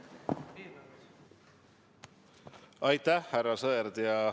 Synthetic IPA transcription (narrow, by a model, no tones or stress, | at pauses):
ɑjt̪æhːæɾɑsɤɾd̪jɑ